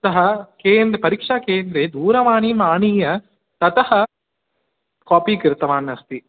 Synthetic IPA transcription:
t̪ɐɦɐkeːnd̪ɾɐpɐɾikʂaːkeːnd̪ɾeːd̪uːɾɐʋaːɳimaːɳiːjɐ | t̪ɐt̪ɐhɐ | kaːpiːkɾɪt̪ɐʋaːnɐst̪i

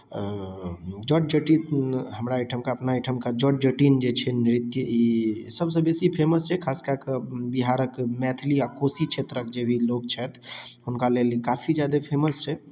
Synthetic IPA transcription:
d͡ʒɔʈ̚d͡ʒəʈit̪ɦəmɾaiʈʰəmkaəpnaiʈʰəmkad͡ʒɔʈ̚d͡ʒəʈind͡ʒet͡ʃʰɛnɾit̪jəisəbsə̃besipʰeməst͡ʃʰɛkʰaskakebiɦaɾəkmɛt̪ʰliakosit͡ʃʰet̪ɾəkd͡ʒebʱilok̚t͡ʃʰɛt̪ʰɦunkalelikapʰid͡ʒjad̪epʰeməst͡ʃʰɛ

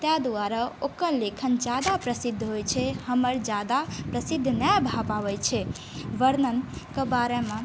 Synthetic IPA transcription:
t̪jad̪uaɾaokəɾlekʰənd͡ʒad̪apɾəsid̪ʱːɦojt͡ʃʰɛhəməɾd͡ʒad̪apɾəsid̪ʱːnabʱapaʋɛt͡ʃʰɛ | ʋəɾnənkəbaɾemẽ

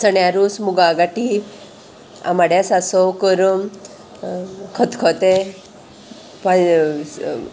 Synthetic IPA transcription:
səɳjaɾusmuɡaɡaʈi | a̰maɽjasasɔwkəɾəm | kʰət̪ʰkʰɔt̪e | pa

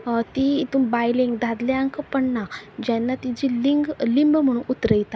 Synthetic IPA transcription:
t̪it̪umbajlẽŋɡd̪ʱad̪leãŋkəpəɳnad͡ʑanːat̪id͡ʑiliŋɡlimbm̤əɽ̃unut̪ɾəjt̪a

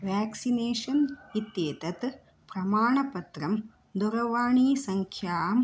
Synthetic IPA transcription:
ʋaːksineːʂɐnɪt̪jeːt̪ɐt̪ | pɾɐmaːɳɐpɐt̪ɾɐm | d̪ʊɾɐʋaːɳiːsɐŋkʰjaːm

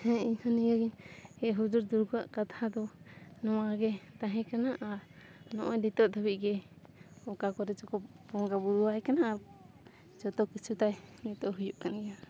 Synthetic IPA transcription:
hɛiɲhaniɡaɡinɡɛʔɦud͡ʒuɾd̪uɾɡaʔkat̪ʰad̪ɔnɔwaɡɛt̪aɦɛ̃kanaʔanɔ̰ʔɔdit̪ɔʔd̪ʱaβiʔɡɛ | ɔkakɔɾɛt͡ʃɔkɔ | pɔŋɡabud̪uaɦɛkanaʔa | t͡ʃɔt̪ɔkit͡ʃʰut̪ajmɛt̪ɔʔɦujuʔkanɡɛa

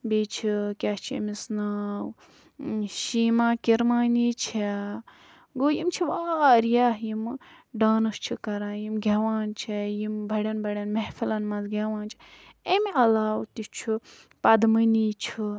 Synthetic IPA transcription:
bit͡ʃʰikʲat͡ʃʰiḛmisnaːw | ʃiːmãːkiɾmaːniːt͡ʃʰe | ɡoːjimt͡ʃʰiʋaːɾijaːɦjimɖaːnɨst͡ʃʰikɐɾãːjimɡʱʲeʋaːnt͡ʃʰejimbʱɐɽʲɐnbʱɐɽʲɐnmɐhfilɐnmɐnzɡʲeʋãːnt͡ʃʰi̥emiɐlaːwt̪it͡ʃʰu | pɐd̪mɐniːt͡ʃʰi

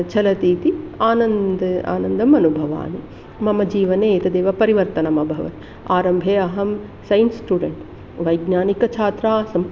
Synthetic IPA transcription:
t͡ʃɐlɐt̪iːt̪iaːnɐnd̪a̰ːnɐnd̪ɐmɐnubʱɐʋa̰ːni | mɐmɐd͡ʒiːʋɐneːt̪ɐd̪eːʋɐpɐɾiʋɐɾt̪ɐnɐmɐbʱɐʋɐ̰t̪i | aːɾɐmbʱeːɐɦɐm | sɐjnsʈuːɖeɳʈ | ʋɐjɡnaːnikɐt͡ʃʰaːt̪ɾaːsɐm

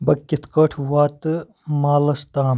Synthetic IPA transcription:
bɐkʲːit̪ʰkɐʈʰʋaːt̪ɨ | maːlɐst̪aːm

